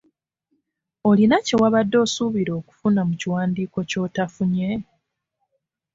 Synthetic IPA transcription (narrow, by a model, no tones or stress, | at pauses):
o̞linace̞waβadːo̞ːsuːβiɾo̞ːku̥funamuciwaːndiːko̞co̞ːtafuɲe̞